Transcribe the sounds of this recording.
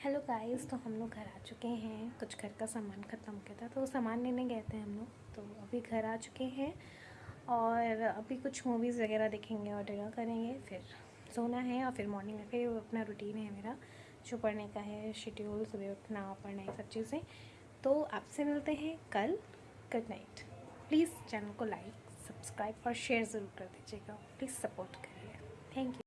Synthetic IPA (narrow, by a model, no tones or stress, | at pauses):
hɛloːɡaːɪzt̪oɦɐmloːɡɡʱɐɾaːt͡ʃʊkeɦɛ̃kʊt͡ʃʰɡʱɐɾkasaːmaːnkʰɐt̪əmkɐɾt̪aɦɛt̪oosaːmaːnlenẽɡɛɦt̪eɦɛ̃ɦɐmloːɡ | t̪oːɐbʱiɡʱɐɾaːt͡ʃʊ̥keɦɛ̃ | ɔːɾɾɐbʱikʊt͡ʃʰmuːʋiːzʋɐɡɛːɾad̪eːkʰẽːŋɡeɔːɾɖɐɡakɐɾẽːŋɡefɪɾ | zoːnaɦɛɔːɾfɪɾmɔːɾnɪ̃ŋmẽfɪɾɐpnaɾʊʈiːnɦɛmeːɾa | t͡ʃʊpɐɾnekaɦɛʃɪʈioːlsʊbeʊpnapɐɾnaɛsɐb̚t͡ʃiːzẽ | t̪oːaːpsemɪlt̪eɦɛ̃kɐl | ɡʊɖna̰ɪʈpliːzt͡ʃɛːnəlkolaːɪk | sɐbskɾaːɪbfɔːɾʃeːəɾzɐɾuːɾkɐɾd̪iːd͡ʒieɡapliːz̥sɐpoːɾʈkɐɾẽɡet̪ʰɛ̃ːŋkju